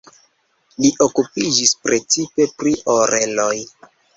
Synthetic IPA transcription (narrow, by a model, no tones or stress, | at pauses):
liʔo̞kupid͡ʒispɾe̞t͡sipe̞pɾiʔoɾe̞loj